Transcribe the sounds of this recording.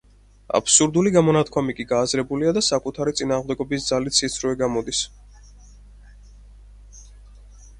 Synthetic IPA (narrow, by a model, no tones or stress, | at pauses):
a̰pʰsuɾd̪uliɡamɔnat̪ʰkʰwamikʼiɡaːzɾɛbuliad̪asakʼut̪ʰaɾit̪sʼinaːʁmd̪ɛɡɔbisd̪zalit̪ʰsit̪sʰɾvɛɡamɔd̪is